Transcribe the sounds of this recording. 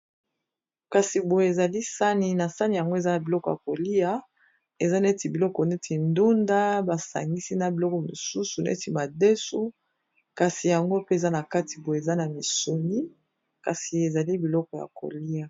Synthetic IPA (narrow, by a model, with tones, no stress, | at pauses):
ka˨si˨bo˨je˨e˨za˨li˦sa˦ni˦na˨sa˦ni˨ja˨ŋɡo˦e˨za˦na˨bi˨lɔ˦kɔ˨ja̰˨ko˨li˦a˦ | e˨za˦na˦e˦ti˨bi˨lɔ˦kɔ˨ne˦tʰi˨ndu˦nda˦ba˨sa̰˨ŋɡi˦si˦na˨bi˨lɔ˦kɔ˨mo˨su˦su˨nḛ˦ti˨ma˨de˦su˦ | ka˨si˨ja˨ŋɡo˦pe˦e˨za˦na˨ka˦ti˨bo˨e˨e˨za˦na˨mi˨so˨mi˦ | ka̰˨si˨e˨za˨li˦bi˨lɔ˦kɔ˨ja̰˨ko̰˨li˦a˨